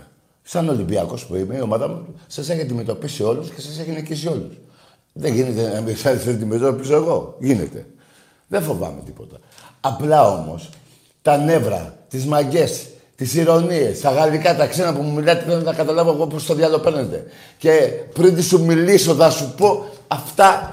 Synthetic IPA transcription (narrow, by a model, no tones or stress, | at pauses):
sɐno̞limbiɐ̰ko̞spuimeio̞mɐðɐmusɐseçiɐnd̪ime̞t̪o̞pisio̞lusce̞sɐseçinicis̬io̞lus | ðeʝinet̪enmiksɐsd̪ime̞t̪opisoeɣo̞ʝine̞̰t̪e̞̰ | ðe̞fo̞vɐ̰me̞t̪i̥po̞t̪ɐ̥ | ɐplɐo̞̰mo̞̰s | t̪ɐne̞vɾɐ̰t̪izmɐʝe̞s | t̪isiɾo̞nie̞st̪ɐɣɐlikɐt̪ɐksenɐpumumilɐt̪iθennɐkɐt̪ɐlɐvoeɣopost̪oðiɐlo̞pe̞ɾnet̪e̞̰ | ce̞pɾint̪isumiliso̞θɐsupo̞ɐft̪ɐ